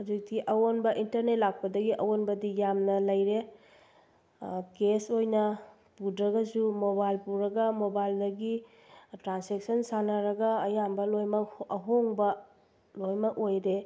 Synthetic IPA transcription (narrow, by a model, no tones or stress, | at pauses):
hazik̚tiʔɐwonbɐʔintɐɾnet̚lak̚pɐdɐɡiʔɐwonbɐdijamnɐlɐjɾe | kesojnɐ | pudɾɐɡɐsumobajlpuɾɐɡɐmobajldɐɡi | tɾansek̚sɐnsanɐɾɐɡɐːjambɐlojmɐkɐɦoŋbɐ | lojmɐkojɾe